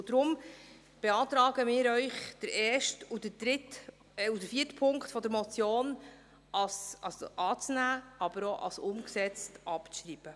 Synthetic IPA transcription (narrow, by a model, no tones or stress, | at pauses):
ʊd̥̪ɾʊm | b̥eɑːt̪ɾɑːɡ̥əmɪːɾœʏχd̥əɾɛːʃtud̥əd̥ɾɪt | ud̥əfiːətpʰʊŋktfɔd̪əɾmɔt͡sjoːn | ʔɑsɑsʔɑːt͡snæːɑb̥əɾoʔɑ̰sʊmksɛt͡stɑpʃɾiːb̥ə